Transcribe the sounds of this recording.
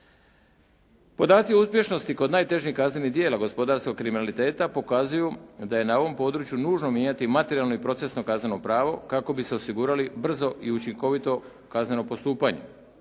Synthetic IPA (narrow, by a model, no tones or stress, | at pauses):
po̞d̪aːt̪siuspje̞ʃno̞st̪iko̞d̪naːjt̪e̞ʒnihkazne̞nid̪je̞ːlaɡo̞spo̞d̪aɾsko̞ɡ̚kɾiminalit̪e̞ːt̪apo̞kazujud̪aje̞nao̞ʋo̞mpo̞d̪ɾuːt͡ʃjunuːʒno̞mjeːɲat̪imat̪e̞ɾialˠno̞ipɾo̞t̪se̞sno̞kazne̞no̞pɾaːʋo̞̰kako̞bise̞osiɡuːɾalibr̩zo̞ʔiut͡ʃiŋko̞ʋit̪o̞ | kazne̞no̞po̞st̪uːpaɲe̞̰